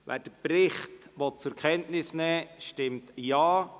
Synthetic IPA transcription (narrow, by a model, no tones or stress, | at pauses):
ʋʔæ̰ːɾd̥əpɾɪχtʋɔt̚t͡sʊɾkχɛntnɪsnɛːʃtɪmtjɑː